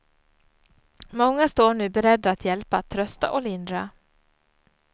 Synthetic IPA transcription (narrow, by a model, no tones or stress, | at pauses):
mɔŋːast̪oːɳʉ̟ːbɛɾɛd̪ːaːt̪jɛlpaːt̪ʰːɾœst̪a̰ʔɔlɪnd̪ɾa